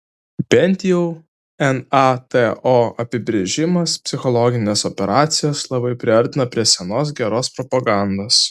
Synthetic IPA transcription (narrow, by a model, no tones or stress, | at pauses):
pʲɛnʲt̪ʲjuʊ | ɛnɑt̪ɛʔoːɐpʲɪbʲɾʲeʒʲɪmɐspʲsʲɪxɔlˠɔɡʲɪnʲeːsɔpʲɛɾʔɑːt̪sʲɪjoːslˠɐbɐɪpʲɾʲɪɐɾʲt̪ʲɪnɐpʲɾʲiɛsʲɛnoːs̬ɡʲɛɾoːspɾɔpɐɡɑˑnd̪oːs